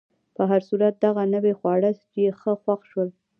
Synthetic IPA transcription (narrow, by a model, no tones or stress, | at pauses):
pəɦaɾsuɾat̪̚d̪aɣanəwexwɑɽəs | jexəxwaxʃwəl